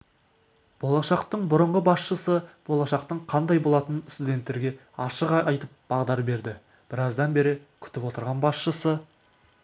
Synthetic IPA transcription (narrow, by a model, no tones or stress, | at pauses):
b̥o̞lˠɑʃɑqt̪əɴbʊɾəɴʁəbɑsʃəsəb̥o̞lˠɑʃɑq̚t̪əɴqʰɑnd̪ɑjbo̞lˠɑt̪ənst̪ud̪ʲe̞nt̪ːe̞ɾɡʲe̞ | ɑʃəqɑjt̪əp̚b̥ɑʁd̪ɑɾbe̞ɾd̪ɪ | b̥ɪɾɑzd̪ɑnbe̞ɾɪkʲʰʏ̥t̪ɪpwo̞t̪əɾʁɑnbɑsʃəsə